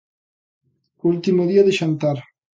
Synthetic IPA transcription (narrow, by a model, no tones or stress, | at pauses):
ult̪imoðiaðeʃant̪aɾ